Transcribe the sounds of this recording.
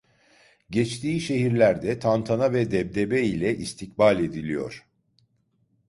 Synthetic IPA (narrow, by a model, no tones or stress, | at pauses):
ɟɛt͡ʃt̪ʰiːʃe̞ɦiɾlʲæɾd̪ɛt̪ʰant̪ʰanavɛd̪ɛb̚d̪ebɛilʲɛʔist̪ʰicbalʲe̞d̪ilʲijo̞̰ɾ̝̥